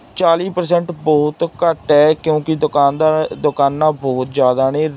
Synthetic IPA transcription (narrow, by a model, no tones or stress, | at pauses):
t͡ʃaːliːpəɾsɛ̃ːɳʈbɔːt̪kəʈɦɛːkjõːkɪd̪kaːnd̪ad̪ʊkaːnːãːbɔːt̪d͡ʒjaːd̪aːneː